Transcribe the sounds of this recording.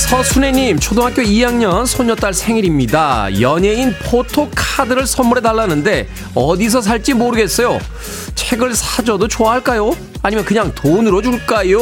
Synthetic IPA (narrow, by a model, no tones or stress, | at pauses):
sʰʌsʰune̞ɲimt͡ɕʰodoŋɦak͈joijaŋɲʌnsʰoɲʌnt͈aɭsʰe̞ŋiɾimɲidajʌɲe̞inpʰotʰokʰadɯɾɯɭsʰʌmːuɾɦe̞taɭːanɯnde̞ | ʌdis̬ʰʌs̬ʰaɭt͡ɕ͈imoɾɯɡe̞s͈ʌjo | t͡ɕʰe̞ɡɯɭsʰad͡ʑʌdot͡ɕoaɦaɭk͈ajo | aɲimjʌnkɯɲaŋtonɯɾod͡ʑuɭk͈ajo